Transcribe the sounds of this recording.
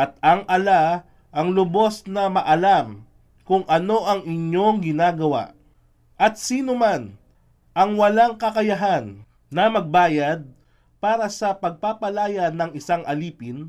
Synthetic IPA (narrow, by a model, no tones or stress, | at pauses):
ʔɐt̪̚ɐŋʔɐla | ʔɐŋlʊbo̞snɐmɐʔɐlam | kʊŋʔɐno̞ʔɐŋʔɪɲjo̞ŋɡɪnaːɡɐwa̰ʔ | ʔɐt̪̚siːnoman | ʔɐŋwɐlaŋkɐkɐjɐɦanː | ɐmɐɡ̚baːjɐd̪̚ | paːɾɐsɐpɐɡ̚papɐlaːjɐnɐŋɪsaŋʔɐliːpɪn